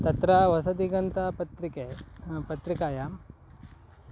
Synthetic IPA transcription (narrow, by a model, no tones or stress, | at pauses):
t̪ɐt̪ɾaʋɐsɐd̪iɡɐnt̪apɐt̪ɾikepɐt̪ɾikaːjaːm